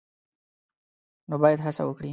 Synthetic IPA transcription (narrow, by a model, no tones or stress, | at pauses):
nobɑjad̪ɦasa̰wəkɽi